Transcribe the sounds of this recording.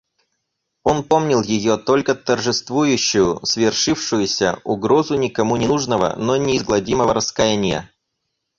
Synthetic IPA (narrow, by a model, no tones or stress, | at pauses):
o̞npo̞mnʲɪlˠjɪjo̞t̪olʲkət̪ərʐɨst̪vujʉɕːʊjʊsvʲɪrʂɨfʂɨjʊsʲə̰ʊɡɾo̞zʊnʲɪkɐmunʲɪnuʐnəvə̰nonʲɪːzɡlˠɐdʲiməvəɾəskɐjenʲɪjə̰